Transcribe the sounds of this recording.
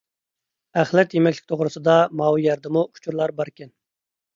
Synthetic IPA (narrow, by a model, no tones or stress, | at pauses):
æχlɛt̪jemɛkʲlʲɪ̥kʲt̪ʰoʁɾɨsɨd̪ɑmɑwijɑɾd̪ɨmuu̥t͡ʃʰuɾlˠɑɾbɑɾkʲɛn